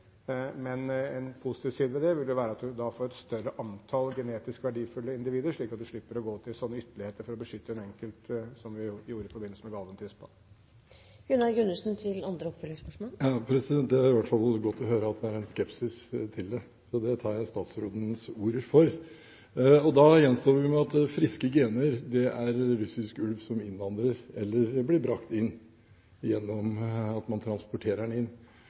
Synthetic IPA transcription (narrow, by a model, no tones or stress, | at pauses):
mɛnɛnpʰʊsɪ̥t̪ʰiːʋsiːd̪əʋɛd̪ɛʋɪld̪jʊʋæːɾəɑt̪̚d̪ʉd̪ɑfoːɾɛt̪st̪œrːəʔɑnt̪ʰɑlɡɛneːt̪ɪskʋæɖiːfʉlːəɪnd̪ɪʋiːd̪əɾʂɭiːkɑt̪̚d̪ʉʂɭɪpːəɾɔɡoːt̪ʰɪlsɔnːəʏt̪ːəlɪheːt̪əɾfɔɾɔbəʂʏt̪ːəɛnɛŋkəlt̪sɔmʋɪjuːɾəɪfɔɾbɪnːəsəmɛɡɑlʋənt̪ʰʏspɑ̰l | ɡʉnːɑɡʉnːʉsn̩t̪ʰɪlɑnd̪ɾəɔpfœlɪŋspœʂmoɑpʰɾɛsɪd̪ɛnt̪̚d̪ɛɑɾʋæʈfɑlɡɔt̪ːɔɦøːɾəɑt̪̚d̪ɛæɾɛnskɛpsɪst̪ʰɪld̪ɛ | sɔd̪ɛt̪ʰɑːɾjæɪst̪ɑːt̪sɾoːd̪nsuːɾəɾfɔɾ | ɔd̪ɑjɛnːst̪oːʋʋɪmɛɑt̪fɾɪskəɡɪeːnəɾd̪ɛʔæɾɾʉsɪskʉlʋsɔmɪnʋɑnd̪ɾəɾɛlːəɾblɪbɾɑkt̪ɪnː | jɛnːɔmɑt̪mɑnt̪ʰɾɑnspɔʈʰeːɾəɳɪnː